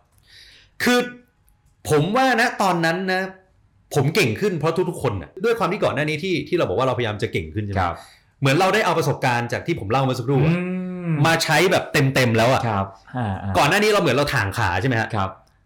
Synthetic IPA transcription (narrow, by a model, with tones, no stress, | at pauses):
kʰɯː˧ | pʰo˩˦mwaː˥˩na˦˥t̪ɔː˧nːa˦˥nːa˦˥ | pʰo˩˦mke˨˩ŋkʰɯ˥˩npʰɾɔ˦˥t̪ʰu˦˥k̚t̪ʰu˦˥kʰːo˧nːa̰˨˩du˥˩jkwaː˧mt̪iː˥˩kɔː˨˩nːaː˥˩niː˦˥t̪ʰiː˥˩t̪ʰiː˥˩ɾa˧wbɔː˨˩k̚wːɾa˧pʰajjaː˧mt͡ɕa˨˩ke˨˩ŋkʰɯ˥˩nt͡ɕʰa˥˩˨ | mɯ˩˦ənɾa˧wdaː˥˩jʔa˧wpɾa˧so˨˩p̚kaː˧nt͡ɕaː˨˩k̚t̪ʰiː˥˩pʰo˩˦mla˥˩wma˦˥˩sa˧kʰɾuː˥˩˦maː˧t͡ɕʰa˦˥jbɛː˨˩p̚t̪e˧mt̪e˧mlɛː˦˥wʔa̰˨˩˦pa˧˩˧kɔː˨˩nːaː˥˩niː˦˥ɾa˧wmɯ˩˦ɾa˧wt̪ʰaː˨˩ŋkʰa̰ː˩˦t͡ɕʰa˥˩ma˦˥kʰa̰˦˥kʰp